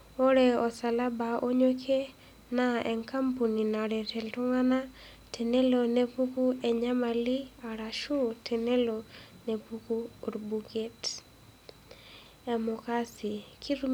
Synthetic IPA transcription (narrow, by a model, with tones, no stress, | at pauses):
o˦ɾe˦˨ɔ˨sa˨la˦ba˨ʔo˦ɲo˦kʰe˦ | na˦ɛ˨ŋka˦mpu˨ni˨na˨ɾɛ˨tʰɛ˨ltu˦ŋa˦na˦ | te˨ne˦lo˨ne˦pu˦ku˦ɛ˨ɲa˦ma˨li˦a˨ɾa˨ʃu˦tʰe˨ne˦lo˨ne˨pu˦ku˦o˨ɾbu˨ɡe˦t | ɛ˨mʊ˨ka˦si˨kʰi˦ɾu˦